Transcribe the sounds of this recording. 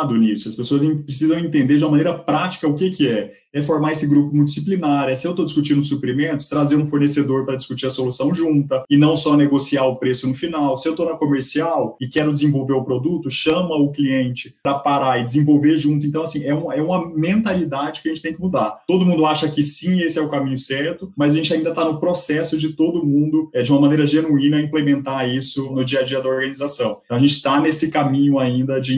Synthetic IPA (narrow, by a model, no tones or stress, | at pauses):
d̪ʊnisʊɐspesoɐz̃pɾɪsizɐ̃w̃ẽnt̪ẽnd̪eɾd͡ʒumɐmɐ̃neɾɐpɾat͡ʃi̥kɐʊkɪkɪɛ | ɛfoɾmaesɪɡɾupʊmud͡ʒisiplinaɾʊɛsɪewt̪od͡ʒiskut͡ʃĩnʊsupɾimẽnt̪ʊ̥st̪ɾazeɾũfoɾnesed̪oɾpɾɐd͡ʒiskut͡ʃiɾɐsolusɐ̃w̃ʒũnt̪ɐɪnɐ̃w̃sɔneɡosiaʊpɾesʊnʊfinawsɪewt̪onɐkomeɾsiawɪkɛɾʊd͡ʒɪzẽvowveɾʊpɾod̪ut̪ʊʃɐ̃mɐʊkliẽnt͡ʃɪpɾɐpaɾaɪd͡ʒɪzẽvowveɾʒũt̪ʊẽt̪ɐ̃w̃asĩɛũmɛũmɐmẽnt̪alid̪ad͡ʒɪkɪɐʒẽtt͡ʃɪt̪ẽj̃kɪmud̪at̪od̪ʊmũnd̪ʊaʃɐkɪsĩesɪɛʊkamĩɲʊsɛɾt̪ʊmɐzaʒẽnt͡ʃɪaĩnd̪ɐt̪anʊpɾosɛsʊd͡ʒɪt̪od̪ʊmũnd̪ʊɛd͡ʒɪũmɐmɐ̃nejɾɐʒenuĩnɐĩplemẽnt̪aisʊnʊd͡ʒiɐd͡ʒiɐd̪ɐoɾɡɐ̃nizasɐ̃w̃t̪ɐ̃w̃ɐʒẽt͡ʃɪ̥t̪anesɪkamĩɲʊaĩnd̪ɐd͡ʒɪ